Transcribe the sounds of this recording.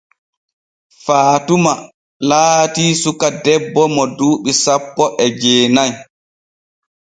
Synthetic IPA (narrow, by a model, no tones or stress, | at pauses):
faːtuma | laːtiːsukadɛbːɔmɔduːɓisapːɔʔɛd͡ʒɛːnaj